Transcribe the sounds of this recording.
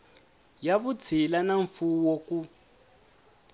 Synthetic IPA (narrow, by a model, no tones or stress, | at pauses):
jaβut͡sʰilanaɱfuwoku